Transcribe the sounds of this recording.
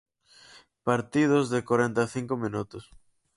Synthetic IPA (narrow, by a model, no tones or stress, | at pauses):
paɾt̪iðʊzðɪkwaɾent̪aθiŋkomĩnut̪ʊs